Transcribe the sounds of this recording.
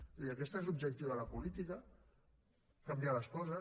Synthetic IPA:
iəkɛst̪aezlubʒək̚t̪iwəlɐpulit̪ikə | kambialəskɔzə

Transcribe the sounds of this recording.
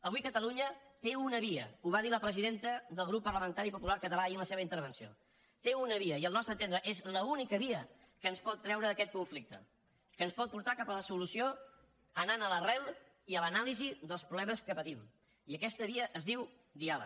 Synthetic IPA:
əβuikət̪əluɲət̪eunəβiə̰uβ̞aðiləpɾəziðent̪əðəlˠɣɾupːəɾləmənt̪aɾipupulaɾkət̪əlaiənləseβəint̪əɾβ̞ənsio̰ | t̪eunəβ̞iəiəlˠnɔst̪ɾənt̪end̪ɾəʔezləunikəβiəkənspɔt̪ːɾɛwɾəːkɛt̪̚kuɱflik̚t̪ə̰ | kənspɔt̪̚puɾt̪akapələsulusio | ənanələrɛlˠ | iələnaliziðəlˠspɾuβlɛməskəpət̪im | iəkɛst̪əβ̞iəʔːzðiw | d̪ialə̰

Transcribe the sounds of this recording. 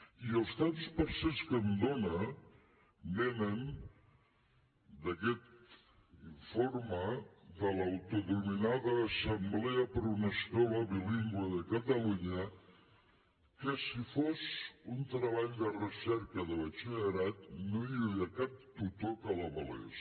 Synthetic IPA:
iəlˠst̪at̪spəɾsɛskənd̪onə | denən | d̪əkɛt̪ | iɱfoɾməðələwt̪uðuminaðəːsəmbleəpəɾunəskɔləβiliŋɡwəðəkət̪əluɲə | kəsifozunt̪ɾəβ̞aʎd̪ərəsɛɾkəðəβət͡ʃiəɾat̪noiβiəkap̚t̪ut̪okələβəlḛs

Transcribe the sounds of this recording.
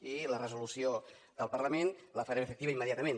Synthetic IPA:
ilərəzulusio | ðəlˠpəɾləmenləfəɾɛməfəkt̪iβəimːəðjat̪əmen

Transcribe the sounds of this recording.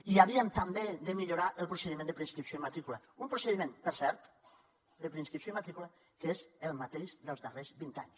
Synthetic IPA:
iaβiənt̪ambeðəmiʎuɾaʔəlˠpɾuseðimend̪əpɾeinskɾipsjoimat̪ɾikula | umpɾoseðimẽnpəɾsɛɾt̪ | d̪əpɾeinskɾipsoimat̪ɾikula | kezəlˠmat̪eʃðəlˠzðərezβint̪a̰ɲs

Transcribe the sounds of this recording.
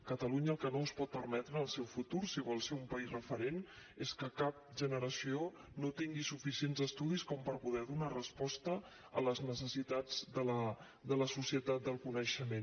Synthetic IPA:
kət̪əluɲəːlˠkənospɔt̪̚pəɾmɛt̪ɾəəlˠsɛwfut̪uɾsiβɔlˠseɾumpəizrəfəɾen | eskəkap̚ʒənəɾəsio | not̪iŋɡisufisienzəst̪uðiskɔmpəɾpuðɛðunarəspɔst̪ə | ələznəsəsit̪ad͡zd̪ələ | d̪ələsusiət̪dat̪̚d̪əlˠkunəʃəmen

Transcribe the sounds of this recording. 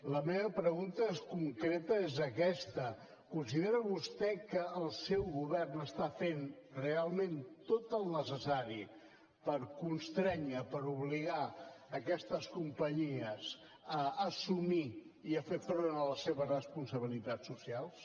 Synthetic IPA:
ləmeβəpɾəɣunt̪əeskuŋkɾet̪əezəkɛst̪ə | kunsiðeɾəβust̪ɛkəːlˠsɛwɣuβɛrnəst̪afenrealˠment̪ot̪əlˠnəsəsaɾi | pəɾkunst̪ɾɛɲəpəɾuβliɣaəkɛst̪əskumpəɲiəz | əːsumi | iəfefɾonələseβərəspunsəβ̞ilit̪asːusialˠs

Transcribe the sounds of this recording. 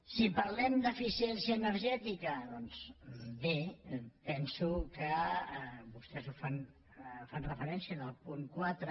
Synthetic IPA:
sipɐɾlɛmd̪əfisiɛnsiəːnəɾʒɛt̪ikəðɔnsbepɛnsukə | bust̪ɛzufan | fanrəfəɾɛnsiəðəlˠpuŋkwat̪ɾə

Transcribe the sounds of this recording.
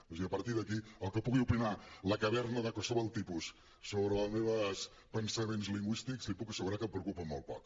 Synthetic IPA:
uziəpəɾt̪iðəkiəlˠkəpuɣiupinaləkəβɛrnəðəkosoβəlˠt̪ipusː | oβɾələzmeβəs | pənsəmenzliŋɡwist̪ikzlipukəsəɣuɾakəmpɾəukupəmol̚ˠpɔk

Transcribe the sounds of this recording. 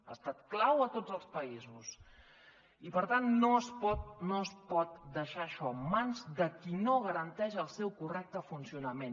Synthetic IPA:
ast̪at̪̚klawət̪od͡zəlˠspəizus | ipəɾt̪anːoəspɔt̪̚noəspɔt̪̚d̪əʃaʃɔmanzðəkinoɣəɾənt̪ɛʒəlˠsɛwkurɛk̚t̪əfunsiunəmen

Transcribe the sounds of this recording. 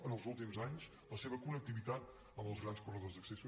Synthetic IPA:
ənəlˠzulˠt̪imzaɲz | ləseβəkunək̚t̪iβit̪at̪ | əmbəlˠzɣɾanskurəðozðəksəsu

